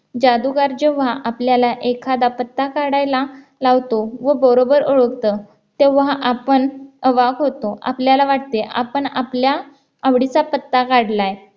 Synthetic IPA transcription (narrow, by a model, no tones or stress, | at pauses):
d͡ʑad̪uɡaɾd͡ʑəʋaʔapljalaʔekʰad̪apət̪ːakaɽajla | laʋt̪oʋəbəɾobəɾoɭəkt̪ə | t̪eʋɦaʔapəɳəʋaɡɦot̪oʔa̰pljalaʋaʈt̪eʔa̰pəɳaplaː | ʋɽit͡sapət̪ːakaɽlaj